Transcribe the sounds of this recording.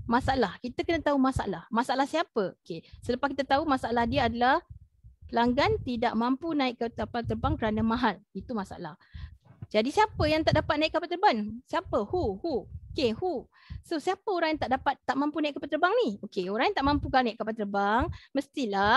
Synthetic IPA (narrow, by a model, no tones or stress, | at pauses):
masaalahkit̪əkənãt̪aumasa̰ʔlahmasalahsiapəokesələpaskit̪at̪aumasaʔalahdiaadalah | pəlaŋɡant̪idaʔmãmpunãɪkːəapat̪ərbaŋkəɾanamãɦalit̪umasa̰a̰la̰hd͡ʒadisiapəjaŋt̪aʔdapat̪̚naikːapalt̪ərbaŋsiapəhuhuokehu | sosiapəoɾaŋjaŋt̪aʔdapat̪ːaʔmãmpunaiʔkapat̪ərbaŋniokeoɾaŋjaŋt̪aʔmãmpukanaɪʔkːapat̪ərbaŋməst̪ila